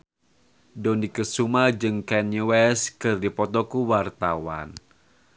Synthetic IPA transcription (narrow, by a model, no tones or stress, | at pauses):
dɔndikəsumad͡ʒɨŋkɛnjiwɛskɨrdipɔt̪ɔkuwart̪awa̰n